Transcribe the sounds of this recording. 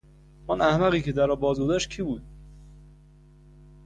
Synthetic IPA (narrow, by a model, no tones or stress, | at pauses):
ɔnæhmæɣiːcʰed̪æɾɒːbɒːzɡozæʃt̪̚kcʰiːbuːd̪̥̚